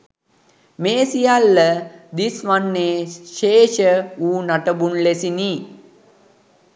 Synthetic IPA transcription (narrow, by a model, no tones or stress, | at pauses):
meːsijalːəd̪isʋanːeːʃeːʃəuːnaʈəbunlesini